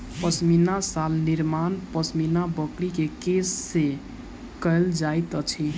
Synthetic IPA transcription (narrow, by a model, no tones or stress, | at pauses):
pəsminasalniɾmanpəsminabəkɽikekesːe | kəld͡ʒajt̪ət͡ʃʰi